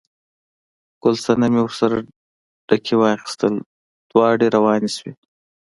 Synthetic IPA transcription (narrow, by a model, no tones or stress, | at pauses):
ɡ̥ʊlsanamewʊɾsaɾa | ɖ̥akʰewɑxi̥st̪əl | d̪̥wɑːɖeɾawɑːneswe